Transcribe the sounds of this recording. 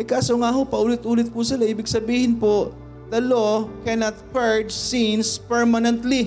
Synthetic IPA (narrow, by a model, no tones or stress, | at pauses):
ʔɐjkaːsoŋaːɦopɐʔuːlɪt̪̚ʔuːlɪt̪̚pʊsɪlaʔiːbɪɡsɐbiːhɪnpoʔ | d̪̥ɐlokɛnɐt̪̚pɛɹd͡ʒsinspɛɹmɐnɛnt̪li